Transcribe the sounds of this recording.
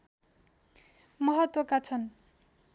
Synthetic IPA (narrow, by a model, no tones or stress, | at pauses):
mʌɦʌt̪wʌkat͡sʰʌn